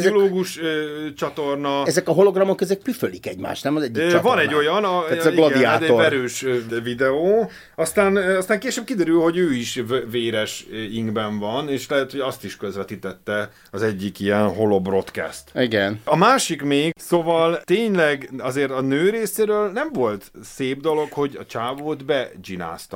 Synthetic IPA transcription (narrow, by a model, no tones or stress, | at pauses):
oloːɡuʃøt͡ʃɒt̪o̞rnɒɛzɛkɒɦoloɡrɒmokɛzɛk̚pyfølikɛɟma̰ːʃt̪nɛmɒzɛɟːikt͡ʃvɒnɛɟːo̞jɒnɒzɡlod̪iat̪ɛɛɾøːʃvid̪ɛoː | ɒst̪aːnɒst̪aːŋkeːʃøːb̚kid̪ɛɾylho̞ɟøːiʃveːɾɛʃiŋɡbɛɱvɒneːʃlɛɦɛt̪ho̞ɟɒst̪iʃkøzʋɛt̪it̪ɛt̪ːɛ | ɒzɛɟːikijɛnɦo̞lo̞bro̞t̪kɛ̰st̪iɡɛnɒmaːʃikmeːɡsoːvɒlt̪eːɲlɛɡɒzeːrt̪ɒnøːɾeːseːɾøːlnɛɱvo̞lt̪seːb̚d̪o̞lo̞kho̞ɟɒ̰t͡ʃaːvoːt̪bɛd͡ʒina̰ːst̪ɒ